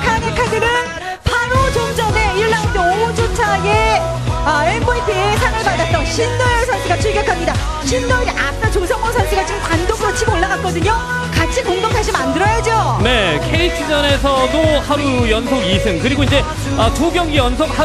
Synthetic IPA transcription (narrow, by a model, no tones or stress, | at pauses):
kʰanekʰadɯmʌn | pʰaɾod͡ʑoŋd͡ʑʌne̞iɭːandooud͡ʑʰot͡ɕʰaɡe | ʌeboitʰeesʰaŋɯɭmadat͈ʌɕʰindojʌɭsʰʌnsʰiɡat͡ɕʰuɭɡjʌkʰamɲida | ɕʰindojɾiʔap̚t͈at͡ɕosʰʌŋʌsʰʌnsʰiɡat͡ɕimkwandok̚t͈ot͡ɕʰimoɭːaɡak͈̚ʌdɯɲo | kat͡ɕʰikoŋɡʌmsʰaɕ̬ʰimandɯɾʌjad͡ʑone̞kʰeitʰɯd͡ʑʌne̞sʰʌtohaɾujʌnsʰoɡisʰɯŋkɯɾiɡoind͡ʑe̞ | ʌt͡ɕoɡjʌɡijʌnsʰok̚ha